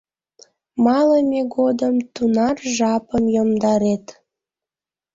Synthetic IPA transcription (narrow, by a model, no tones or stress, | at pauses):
mɑləmeɡod̪əmt̪unɑrʒɑpəmjomd̪ɑɾet̪